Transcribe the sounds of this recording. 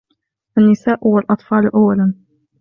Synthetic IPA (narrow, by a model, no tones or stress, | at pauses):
ʔanːɪsaːʔwalʔɑt̪ˤfɑːlʔawːalan